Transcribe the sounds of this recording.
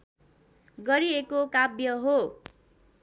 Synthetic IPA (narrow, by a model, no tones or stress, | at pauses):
ɡʌɾiekokabjʌɦo